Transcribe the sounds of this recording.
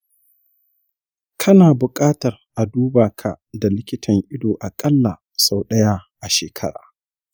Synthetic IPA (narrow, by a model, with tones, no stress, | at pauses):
kʰɐ˦naː˨bʊ˨kʼaː˦tɐ˨rʔa˨duː˦baː˨kʰa̰˨da˨lɪ˦kʲɪ˦tʰɐ˨ŋʔɪ˦doː˨ʔa˨kʼɐ˦lːa˨ | sa˨wɗɐ˦jaː˦ʔa˨ʃeː˨kʰɐ˦ɽa̰ː˨